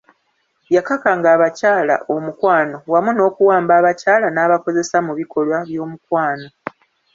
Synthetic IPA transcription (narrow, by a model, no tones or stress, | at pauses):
βjakakaŋɡaːβacaːla̰ʔo̞mukwaːno̞wamuno̞ːkuwaːmbaːβacaːlanaːβako̞ze̞samuβikʰo̞lwaβjo̞ːmukwaːno̞